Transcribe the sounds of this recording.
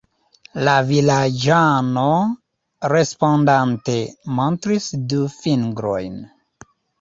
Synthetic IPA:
lavilad͡ʒano | ɾe̞spondante̞montɾisdufiŋɡɾo̞̰jn

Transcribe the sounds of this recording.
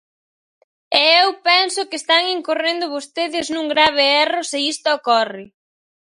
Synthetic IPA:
ɛewpɛnsʊkɪest̪aŋeŋkorend̪ʊβost̪eðɪznũŋɡɾaβ̞ɪɛrʊsɪist̪ʊokɔrɪ

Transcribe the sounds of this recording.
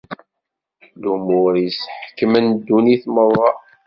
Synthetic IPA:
lumʊɾjəsħə̥kːəmænd̪ːuniθməðˤːɑ

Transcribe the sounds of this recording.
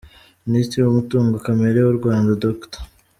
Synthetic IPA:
ministɾiwumutuːŋɡokame̞ɾewuɾɡwaːndadoktḁ

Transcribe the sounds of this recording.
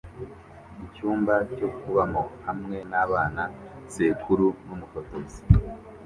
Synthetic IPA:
icuːmbaco̞kuβamohamŋe̞naβaːnase̞ːkʰuɾunumufotozi̥

